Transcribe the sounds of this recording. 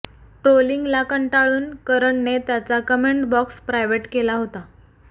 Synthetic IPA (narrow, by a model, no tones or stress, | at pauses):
ʈɾoliŋɡlakəɳʈaɭuːnkəɾəɳnet̪jat͡sakəmeɳʈbɔkspɾajʋeʈkelaɦot̪a